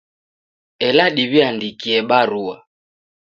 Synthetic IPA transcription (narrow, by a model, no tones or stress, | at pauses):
ɛlaɗiβiandikiɛɓaɾua